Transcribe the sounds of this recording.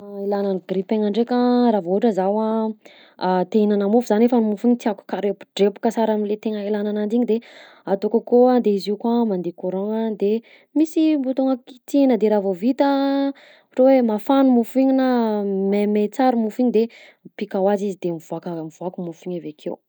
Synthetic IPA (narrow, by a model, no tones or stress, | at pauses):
elananiɡripeŋaɳɖ͡ʐekəɾavouʈ͡ʂəzawa | t̪einanamufuzanefanmufiɲit̪iaku̥kaɾepu̥ɖ͡ʐepu̥kəsaɾaminlet̪eŋəelananand̪iɲid̪e | at̪okəkoad̪eiziukwamand̪ekuɾoŋad̪e | misimbut̪uŋaki̥t̪inəd̪eɾavovit̪ə | ʈ͡ʂowemafanumufiɲinamemet͡saɾumufiɲid̪e | pikawazizid̪emiv̥uakamiv̥uakumufiɲavakʰḛw